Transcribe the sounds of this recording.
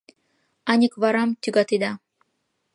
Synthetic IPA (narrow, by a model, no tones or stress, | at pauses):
ɑnʲikβɑɾɑmt̪ʲyɡɑt̪id̪ɑ